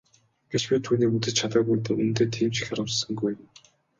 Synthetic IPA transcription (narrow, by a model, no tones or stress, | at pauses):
ɡ̥et͡ɕpʲiːt̪ʰuːniːput̪ɘ̆t͡ɕ̚t͡ɕʰat̪ə̆ːɡujt̪ɘ̆ŋunt̪eːt̪ʰiːmt͡ɕɪ̥xʲaɾə̆sə̆ŋɡuj